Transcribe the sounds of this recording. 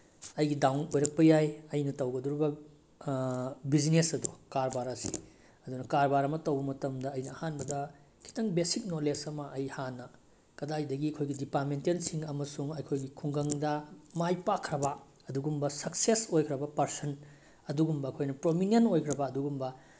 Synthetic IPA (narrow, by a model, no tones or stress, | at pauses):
ɐjɡidawnojɾɐk̚pɐjajɐjnɐtɐwɡɐduɾibɐ | bid͡ʒinesɐdukaɾbaɾasi̥̰ | ɐdunɐkaɾbaɾɐmɐtɐwbɐmɐtɐmdɐɐjnɐːhanbɐdɐ | kʰi̥tɐŋbesik̚nolesɐmɐʔɐjhanːɐ | kɐdajdɐɡiɐkʰojɡidipamentensiŋɐmɐsuŋɐjkʰojɡikʰuŋɡɐŋdɐmajpakʰɾɐbɐ | ɐduɡumbɐsɐk̚sesojkʰɾɐbɐpɐɾsɐn | ɐduɡumbɐɐkʰojnɐpɾominenojkʰɾɐbɐɐduɡumbɐ